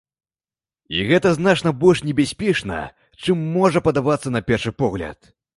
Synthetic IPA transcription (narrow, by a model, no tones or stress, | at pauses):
iɣɛt̪ɐzn̪at͡ʂnɐbɔlʲʂnʲɛbʲasʲpʲɛt͡ʂnɐ̰ | t͡ʂɨmːɔʐɐpɐd̪avat̪sːɐnɐpʲɛrʂɨpɔɣlʲɐ̰t̪